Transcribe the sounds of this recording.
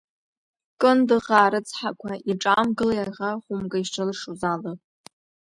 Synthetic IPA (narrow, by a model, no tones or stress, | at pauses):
kʼɨndɨʁaːɾɨt͡sʰħakʷʰaʔiʈ͡ʂʼamɡɨlajaʁaχʷʊmɡʼaiʃʈ͡ʂʰalɨʂuzalɨpʼ